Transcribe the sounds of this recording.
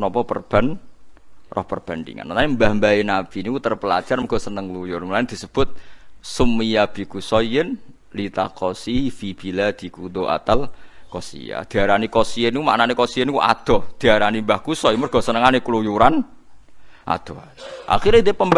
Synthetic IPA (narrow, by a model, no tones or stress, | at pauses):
nɔpɔpə̰rb̥a̤n | rʔɔ̰hpərb̥a̤ndḭŋa̰nnaembahmbainab̥inikut̪ərpəla̰d͡ʒ̥arməɡ̥ɔ̤sənəŋlujʊrməlaɪnd̪̥i̤səb̥ʊt̪̚sumːijab̥i̤kusɔjən | lit̪akɔsifib̥ilad̪̥i̤kud̪oʔa̰t̪alkɔsḭja̰d̪̥i̤aɾanikɔsiənikuma̰ʔnanekɔsijənikṵʔa̰d̪̥ɔhd̪̥i̤aɾanimbahkusɔimʊrɡ̥ɔ̤sənəŋanekulujuɾan | ʔa̰d̪̥ɔ | ʔa̰xiɾeit̪̬epəmb